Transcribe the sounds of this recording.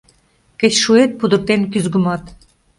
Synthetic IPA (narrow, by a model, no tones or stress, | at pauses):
kə̆ɕʃuet̪̚pud̪ɤ̆r̚t̪enkyzɡə̆mɑt̪